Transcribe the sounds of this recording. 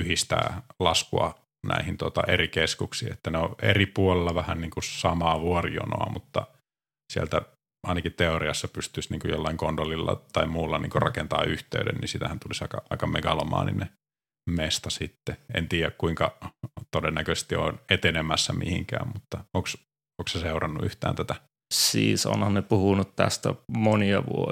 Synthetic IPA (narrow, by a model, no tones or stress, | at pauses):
yhist̪æ̰ːlɑskuɑ̰ | næ̰ihint̪ot̪ɑʔerikeskuksiːet̪ːæneoʔḛripuolelːɑʋæhænniːŋkusɑmɑːʋuorio̰no̰ɑmut̪ːɑ | siælt̪æ | ɑinɑkit̪eoriɑsːɑpyst̪ysniːŋkujo̰lːɑiŋkondolːilːɑ̰t̪ɑimmuːlːɑniːŋkurɑkent̪ɑ̰ːyht̪ḛyɾḛnnḭsit̪æhænt̪ulisɑikɑʔɑikɑmeɡɑlomɑ̰ːnḭne | mest̪ɑsit̪ːeḛnt̪iːjækkuiŋkɑt̪odenːækøest̪io̰net̪enemæsːæmihiŋkæ̰ːmmut̪ːɑoːks | oːksæseurɑnːuy̰ht̪æ̰ːnt̪æt̪æ | siːso̰nhɑnnepuhunut̪t̪æ̰st̪æmoniɑʋṵo